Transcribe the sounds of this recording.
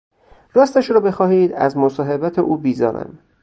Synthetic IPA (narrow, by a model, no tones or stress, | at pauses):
ɾæst̪æʃɾɒːbe̞xɒːhiːd̪æ̰zmosɒːɦe̞bæt̪ʰeʔuːbiːzɒ̰ːɾæ̰m